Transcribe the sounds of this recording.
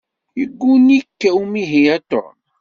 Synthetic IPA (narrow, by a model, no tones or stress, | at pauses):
jəɡːunikːæwumiɦijæt̪o̰ɾ